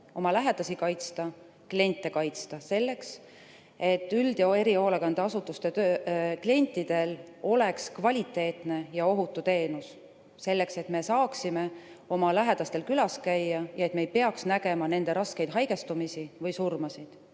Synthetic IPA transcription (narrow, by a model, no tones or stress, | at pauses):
o̞mɑlæɦe̞d̪̥ɑsikɑjt̪st̪ɑ | klie̞nʲt̪ːˑe̞kɑjt̪st̪ɑse̞lːe̞ks | e̞t̪ːˑyld̪̥oe̞ɾio̞ːleɡɑnd̪̥eɑsut̪ːˑust̪e̞t̪øːklie̞nʲt̪ːˑid̪̥e̞lo̞le̞kskvɑlʲit̪ːˑe̞ːt̪ˑne̞jɑo̞ɦut̪ːˑut̪e̞ːnus | se̞lːe̞kse̞t̪me̞sɑːksime̞ | o̞mɑlæɦed̪̥ɑst̪e̞lkylɑskæjːɑjɑe̞t̪mejpe̞ɑksnæɡ̥e̞mɑne̞nd̪̥e̞ɾɑske̞jd̪̥ɦɑjɡ̥e̞st̪umisivɤjsurmɑsid̪̥